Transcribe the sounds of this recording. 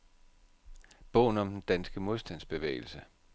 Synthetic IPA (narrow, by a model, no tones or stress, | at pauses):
b̥ɔ̰̽ʊ̰n̩ɒ̽md̥end̥ænsɡ̥əmo̝ðˠsd̥æn̰sb̥e̝ʋḛːɪl̩sə